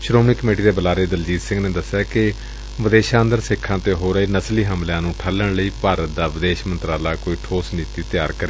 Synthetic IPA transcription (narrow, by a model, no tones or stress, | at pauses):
ʃɾoːmniːkəmeːʈiːd̪eːbəlaːɾeːd̪əld͡ʒiːd̪sɪ̃ŋɡneːd̪əsːjaːkɪ | ʋəd̪eːʃãːnd̪əɾsɪkʰːãːt̪eːɦoːɾəiːnəsliːɦəmljãːnũːʈʰələɳləiːpaːɾət̪̚d̪aːʋɪd̪eːʃmənt̪ɾaːlaːkoːiːʈʰoːsniːt̪iːt̪ɪjaːɾkəɾeː